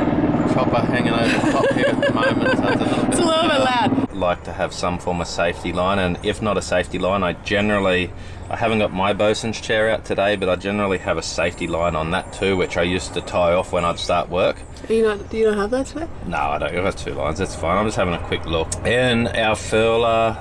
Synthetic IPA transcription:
pʰɹ̥ɑpə˞hæ̃ŋɪ̃ŋoʊvə˞ɑphɪɹɹɨmõʊ̃mə̃nsəzəlɪɾl̩ˠbɪlʌɪlad̚laɪk̚tʰɨɨv̥sʌ̃ɱfɔɹmʌv̥seɪftilãɪ̃ñɨ̃nɪfnəɾəseɪftilãɪ̃naɪd͡ʒɛnə˞l̩ˠi | aɪhævɨ̃n̩ɡ̥ɑt̚maɪboʊsɨ̃nz̥t͡ʃʰɛɹaʊtʰɨdeɪbʌɾaɪd͡ʒɛnə˞l̩ˠiɨvɨseɪftilãɪ̃nə̃nðətʰʉwɨt͡ʃaɪjʉstʰɨtʰaɪɔfwə̃ñaɪd̥stɑɹʔ̚wɜ˞k | əjɨnod̥ɨjɨnõʊnhəvðætsʰɪno̰ʊaɪɾõʊ̃nɡ̥ʌɨv̥tʰʉ̰lã̰ɪ̃nzðætsfãɪ̃nãɪ̃md͡ʒʌst̚hævɪ̃ŋɨkʰw̥ɪklʊkɨ̃na̰ʊəfɜlˠə

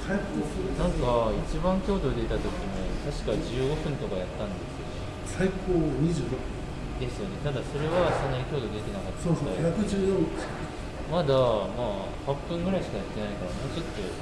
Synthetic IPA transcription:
asnãŋkait͡ɕibãŋkʲo̞ːd̪o̞d̪e̞t̪at̪o̞kʲimot̪aɕi̥kaʑɨːɡo̞ɸɯ̟̃nt̪o̞kajat̪ːãnd̪e̞sɨjo̞ | saikoːɲ̟iʑɨːɾokpːɯ̃ | d̪e̞sɨjo̞ne̞t̪ad̪aso̞ɾe̞βasonːaikʲo̞ːd̪o̞d̪e̞t̪ʲe̞nakat̪ːoːsoːajʲakɯ̟d͡ʑɨːjo | mad̪amaː | hapːɯ̟̃ŋɡɯ̟ɾaiɕi̥kajat̪ːe̞naikaɾamo̞ːt͡ɕo̞t̪ːo̞

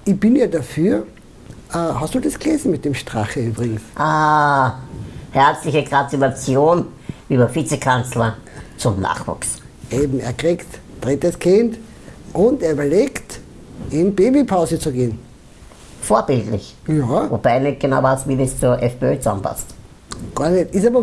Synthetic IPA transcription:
ʔɪb̥ɪnjadafyːɐ | ʔaːhastd̥uːdɛsɡ̥leːzn̩mɪt̚d̥emʃtʁ̥aχəyːbʁɪɡŋ̩sʔaː | hɛɐt͡slɪçəɡʁatulat͡sjoːn | ʔyːbɐfit͡sɛkʰant͡slɐt͡sʊmna̰ːχvṵːks | ʔeːbm̩ḛɐkʁiktd̥ʁɪtəskʰɪnt | ʔʊnteːɐybɐleːkt | ɪnbeːbipʰaʊzət͡suɡeːn | foːɐbɪltlɪ̰çjavob̥aɪnɛt̚ɡ̥ənaʊvaɐstviːdɛst͡suɐʔɛfb̥eøːt͡sa̰mpa̰st | ɡ̥aːɐnɛtɪsaːbɐ

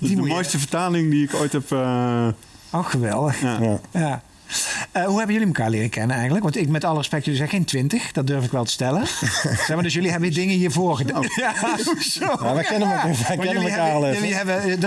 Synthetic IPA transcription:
ddimdmojstəvəɹtaːlɪŋdiɪkojtɦɛpː | oxəʋɛ̰lˠdəxjaː | əɦuɦɛbəjøliməkaːɹlɪːrəkɛnənɛjxəndləkʋɑntɪkmɛtɑlˠərəspɛk̚tjlizɛjxejntʋɪntəxd̥ɑt̚døɹfɪkʋɛlˠtə̥stɛlənsɛxmaːdøsjɵliɦɛbəədɪŋənjəvoːɹɣədaːjasojaʋɛkɛnəməmkɛnəməkaːlɛjøliɦɛbəd

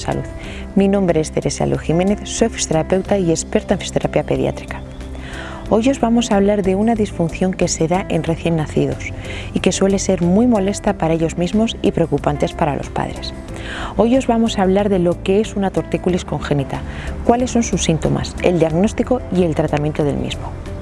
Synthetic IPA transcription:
sa̰luð | minõ̞mbɾeest̪e̞ɾe̞sa̰lʔoximene̞θso̞jfist̪eɾape̞wt̪aie̞spe̞ɾt̪aeɱfi̥st̪eɾapiape̞ðja̰t̪ɾi̥kḁ | o̞jo̞zβamo̞saːβ̞laɾðe̞unaðisfunθjo̞ŋke̞se̞ðaʔe̞nre̞θje̞nːaθið̞o̞s | ike̞swe̞le̞se̞ɾmujmo̞le̞st̪apaɾaeʎo̞zmizmo̞sḭpɾe̞okupant̪e̞spaɾa̰lʔo̞̰spa̰ð̞ɾe̞s | o̞jo̞zβamo̞saːβ̞laɾðe̞lo̞kee̞sunat̪o̞ɾt̪ikulisko̞ŋxe̞nit̪akwale̞sːo̞nsusːint̪o̞̰ma̰se̞ld̪iaɣno̞st̪iko̞ie̞lt̪ɾat̪amje̞nt̪oðe̞̰lmḭzmo

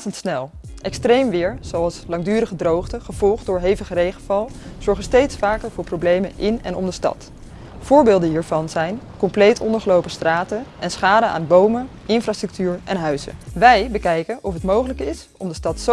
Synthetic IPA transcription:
təntsnɛlˠ | ʔɛkstrejmʋɪːɹz̥owɑlˠslɑŋdyːɾəχədrowχtəχəv̥ɔlˠχt̚dʊːɹɦejvəχərejχənvɑlˠ | z̥ɔɹχənstejtsfaːkəɹvʊːɹprowblejmənʔɪnɛ̰nɔmdəstɑ̰t | v̥ʊːɹbɪːlˠdənɦiːɹvɑnzɛjnkɔmplejtʰɔndəɹχəlowpəstraːtənʔɛnsχaːdəa̰ːnbowmə | ɪnfraːstrɵk̚tyːɹɛ̰nɦœɥzə̰ʋɛjbəkɛjkənʔɔfɦətmowχələkɪs | ɔmdəstɑtso

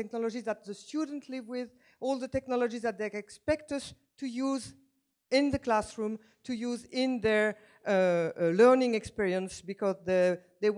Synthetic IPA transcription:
ɛk̚nɔlɔd͡ʒizðæt̪̚ðəstʰjudə̃n̩tʰlɪvwɪð | ɔlˠðətɛknɔlɔd͡ʒizðæt̪̚ðeɛkspɛk̚tʌs | tʰujuz | ɪ̃nðəklasɹũm | tʰujuzɪ̃nðɛ˞ | lɜ˞nɪ̃ŋɛkspiɹiə̃nsbikɔzðeðe

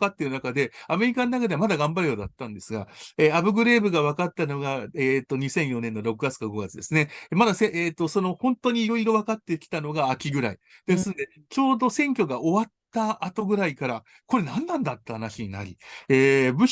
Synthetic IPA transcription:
kat̪ːe̞ɾɯnakad̪e̞ame̞ɾʲikanonakad̪e̞amad̪aɡãmbaɾɯ̟joːd̪at̪ːãnd̪e̞sɨɡaeabɯ̟ɡɯ̟ɾe̞ːbɯ̟ɡaβ̞akat̪ːano̞ɡaeːt̪ːo̞ɲ̟isẽ̞ɰ̃jo̞nẽ̞nːo̞ɾo̞kɯ̟ɡat͡sɨ̥kaɡo̞ɡat͡sɨd̪e̞sɨne̞mad̪aseʔeːt̪ːo̞so̞no̞hõ̞nt̪o̞ɲ̟iːɾo̞iɾo̞βakat̪ːe̞kʲi̥t̪ano̞ɡaːkʲiɡɯ̟ɾai | d̪e̞sɨnd̪e̞ | t͡ɕo̞ːd̪o̞sẽ̞ŋkʲo̞ɡaʔo̞βat̪ːaʔːt̪o̞ɡɯ̟ɾaikaɾa | ko̞ɾe̞nãnːãnd̪at̪ːehanaɕiɲ̟ina̰ɾʲḭeːbɯ̟

